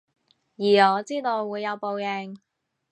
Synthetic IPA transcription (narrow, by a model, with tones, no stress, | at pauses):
jiː˨˩ɔː˨˧t͡siː˥t̪o˧wːuː˨˧jːɐ˨˧wpo˨˧wjɛ˨˧ŋ